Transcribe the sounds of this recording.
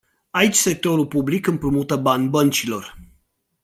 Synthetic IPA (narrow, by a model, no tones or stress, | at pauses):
ait͡ʃʲse̞k̚t̪o̞ɾulpublikɨmpɾumut̪əbanʲbənt͡ʃilo̞r